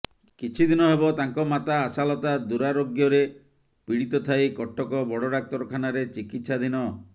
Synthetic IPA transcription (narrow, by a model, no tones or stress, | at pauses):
kit͡ʃʰid̪inɔɦebɔt̪aŋkɔmat̪aːsalɔt̪ad̪uɾaɾoɡjɔɾe | piɽit̪ɔt̪ʰajkɔʈːɔkɔbɔɽɔɽak̚t̪ɔɾɔkʰanaɾet͡ʃikit̪sad̪inɔ